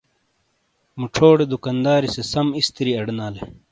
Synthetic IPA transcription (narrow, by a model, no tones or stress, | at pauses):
muʈ͡ʂʰoːɽed̪ukɐnd̪aːɾisesɐmist̪iɾiɐɖnaːle